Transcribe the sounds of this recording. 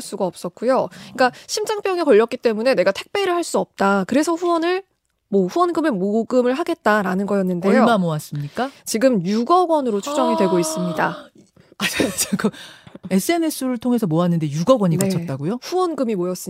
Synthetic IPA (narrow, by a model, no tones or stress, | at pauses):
ɭs͈uɡaʌp̚s͈ʌt̚k͈ujoik͈aɕʰimd͡ʑaŋp͈jʌŋikʌʎːʌt̚k͈it͈e̞mune̞ne̞ɡatʰe̞k̚p͈e̞ɾɯɭɦaɭs͈uʌp̚t͈akɯɾe̞sʰʌɸuwʌnɯɭ | mʌɸuwʌnɡɯmemoɡɯmɯɭɦaɡe̞t̚t͈aɾanɯnɡʌjʌnːɯnde̞jomamoas͈ɯmɲik͈at͡ɕiɡɯmjuɡʌɡwʌnɯɾot͡ɕʰud͡ʑʌŋidwe̞ɡois͈ɯmɲida̰ | at͡ɕɡɯe̞s͈ʰɯe̞ne̞sʰuɾɯɭtʰoŋɦesʰʌmoanːɯnde̞juɡʌɡwʌɲinat͡ɕʰʌt̚t͈aɡojoɸuwʌnɡɯmimojʌs͈ɯ